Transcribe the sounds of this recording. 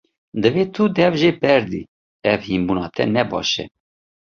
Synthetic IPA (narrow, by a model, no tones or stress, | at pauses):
d̪əveːt̪ʰud̪ɛvʒepɛɾd̪ḭ | ɛvhimbuːnɑːt̪ʰɛ̰nɛbɑ̰ːʃɛ̰